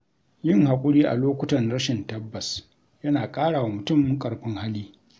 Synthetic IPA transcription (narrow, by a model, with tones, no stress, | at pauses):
jɪ˦ŋɦa˨kʷʼʊ˦ɽiː˦ʔa̰˨loː˦kʷʊ˦tɐ˨nɽɐ˦ʃɪ˨ntɐ˦bːɐ˨s | jɐ˦naː˨kʼaː˦ɽaː˨wa˨mʊ˨tʊ˦˨mɪ˦ŋkʼɐ˨ɽɸɪ˦ŋha˦liː˦